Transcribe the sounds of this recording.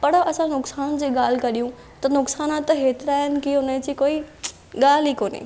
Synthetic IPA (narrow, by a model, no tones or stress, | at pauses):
pɐɽɐsãnʊksaːnd͡ʑiːɠaːl̤ɪkɐɗijũ | t̪ɐnʊksaːnat̪ɦeːt̪ɪɾaːɦɪnɪ̆kiʊnəd͡ʑiːkoːi | ɠaːl̤ikoːnḛ